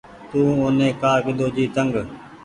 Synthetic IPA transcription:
t̪ũːoːnẽːkaːkɪd̪oːd͡ʒiːt̪əŋɡ

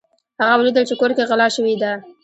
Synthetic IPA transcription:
haɣawəlid̪əlt͡ʃekoɾkeɣalɑʃəwid̪a

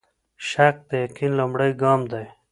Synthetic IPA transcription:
ʃak̚d̪əjaqinlumbɽəjɡɑːmd̪aj

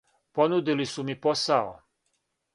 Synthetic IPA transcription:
ponud̪ilisumiposao̰

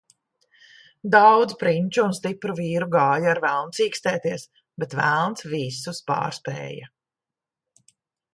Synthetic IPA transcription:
d̪awd̪zpɾiɲʲt͡ʃuunst̪ipɾuviːɾuɡaːjaaɾvælˠnsiːkst̪ɛːt̪iɛs | bɛt̪væ̰lˠnt̪svisuspa̰ːɾspɛ̰ːja

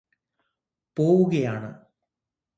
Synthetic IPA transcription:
po̞ːʋuɣɐjaːɳɨ̰

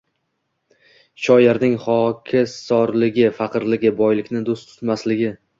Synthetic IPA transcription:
ʃɒjɪɾnɪŋχɒkʲʰɪsɒɾlɪɡʲɪfaqʰɨɾlɪɡʲɪbɒjlɪkʲnɪd̪ost̪ʰʊ̥t̪maslɪɡʲɪ

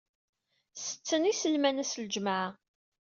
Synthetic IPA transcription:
sə̥t͡sːənisəlmænæsld͡ʒmaʕ

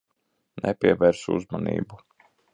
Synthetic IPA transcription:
nʔɛpʲiɛvɛːɾsuṵzmanḭːbu

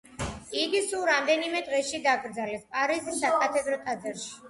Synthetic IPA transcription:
iɡisulˠɾamd̪ɛnimɛd̪ʁɛʃid̪aɡɾd̪zalɛspʼaɾizisːakʼat̪ʰɛd̪ɾɔt̪ʼad̪zɛɾʃi̥

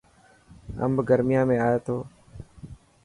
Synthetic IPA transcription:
ə̰mbɡəɾmɪjãːmẽːaːeːt̪ʰoː

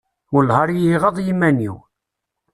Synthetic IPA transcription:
ʊlɦɑɾˤjiʁəðˤjimːæniw

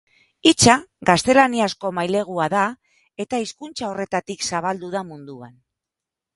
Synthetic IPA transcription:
it͡saɣast̪e̞laniasko̞majle̞ɣ̞uaða | e̞t̪aiskunt͡sao̞re̞t̪at̪iksaβald̪uðamund̪ua̰n

